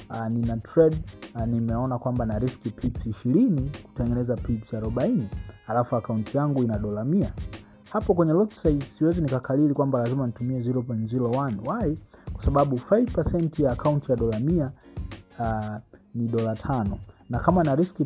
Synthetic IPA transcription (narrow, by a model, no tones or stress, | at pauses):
aninatʰɾɛɗnimɛɔnakwambanaɾiskipʰipsiʃiɾiniku̥tɛŋɡɛnɛzapipsaɾɔɓainihalafuakauntʰijaŋɡuinaɗɔlamia | hapɔkwɛɲɛlɔtsaisiwɛzinikakʰalilikwambalazimanitumiɛzilɔpɛnzilɔwanwaikwḁsaɓaɓufajvpasɛntjaːkauntijaɗɔlamia | niɗɔlatʰanɔnakamanaɾiski